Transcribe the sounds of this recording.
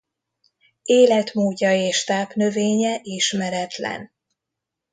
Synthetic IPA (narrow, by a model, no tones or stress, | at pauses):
eːlɛt̪moːɟːɒeːʃt̪aːpnø̞veːɲɛʔiʃmɛɾɛt̪lɛ̰n